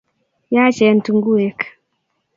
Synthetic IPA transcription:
ja˦t͡ʃɛ˨n̩˨tu˨ŋɡu˦ɛ˨k

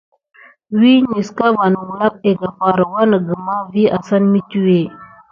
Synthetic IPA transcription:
wi˦ɲi˨ska˦va˨n˨wu˨la˦k̚e˨ɡa˨fa˨ɾa˨wa˦na˨ɡə˨ma˦vi˦a˨sa˦nmi˦t͡ʃi˦we˦˨

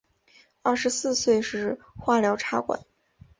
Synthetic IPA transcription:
ɐ˥˩ʂɻ̩˧˥sɹ̩˥˧swe˥˧ɪʂɻ̩˥˩ | xwa˥˩ljɑ˧˥ʊʈ͡ʂʰa˥kwa̰˨˩˦n

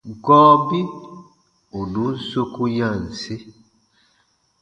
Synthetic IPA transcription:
ɡɔː˦bi˦ | u˨nu˨˦n̩˦so˦ku˦jã˦˨n̩˨se˦

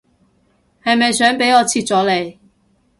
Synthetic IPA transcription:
hɐ˨jmɐ˨jsœː˨˥ŋpe˨˥jɔː˨˧t͡sʰiː˧t̚t͡sɔː˨˥le˨˩j

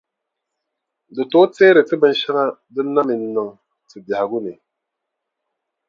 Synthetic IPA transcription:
dɨ˨to˨˦teː˦ɾɨ˨tɨ˦bɨ˦n˦ʃa˦ŋa˦dɨ˦nːa˦mi˨nː˨ɨ˨ŋ | tɨ˨ba˨ha˨ɡu˦nɨ˨

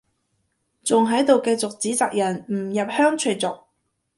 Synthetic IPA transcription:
t͡sʊ˨ŋɦɐ˨˥jt̪o˨wkɐ˧jt͡sʊ˨k̚t͡siː˨˥t͡saː˨k̚jɐ˨˩nm̩˨˩jɐ˨p̚hœː˥ŋt͡ʃʰɵ˨˧jt͡sʊ˨k̚

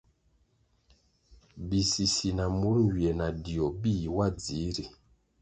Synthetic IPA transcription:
bi˨si˨si˨na˨mo˦ɾŋ˨wi˨ɛ˨na˨di˨ɔ˨bi˦˨wa˦˨d͡zi˨˦ɾi˨

